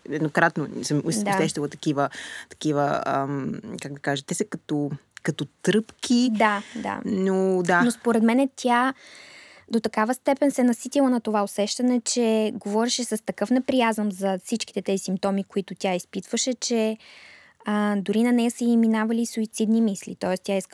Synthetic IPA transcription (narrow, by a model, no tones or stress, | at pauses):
ɛd̪nokɾat̪nosɛmsd̪at̪ɛʃt̪əlˠɐt̪ɐ̥kivət̪ɐ̥kivə̰ə̰mkaɡ̚d̪ɐkaʒət̪ɛsɐkɐt̪okɐt̪ot̪ɾɤpkʲʰid̪ad̪a̰nod̪anospoɾɛt̪mɛnɛt̪ʲʰa | d̪ot̪ɐkavəst̪ɛpɛnsɛnɐsit̪ilˠənɐt̪ovaosɛʃt̪ɐnɛt͡ʃɛɡovɔɾɛʃɛsəst̪ɐkɤfnɛpɾijazəmzɐfsit͡ʃkit̪ɛt̪ɛzisimp̚t̪ɔmikoit̪ʊt̪ʲaispit̪v̥əʃɛt͡ʃɛ | əd̪ʊɾinɐnɛəsəiminavɐlisʊit̪sid̪nimislḭt̪ɔɛst̪ʲaisk